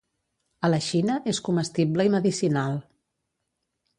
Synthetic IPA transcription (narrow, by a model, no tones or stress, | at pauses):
ələʃinəʔeskuməst̪ibləiməðisinalˠ